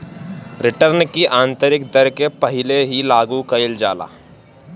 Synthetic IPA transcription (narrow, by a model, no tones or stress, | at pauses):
ɾɪʈəɾnkiʔãːnt̪əɾɪk̚d̪əɾkepɐɦɪleɦilaːɡukɐɪld͡ʒa̰ːla̰ː